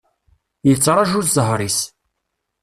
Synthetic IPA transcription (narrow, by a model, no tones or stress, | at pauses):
jət͡sːɾˤɑʒuzəɦɾˤis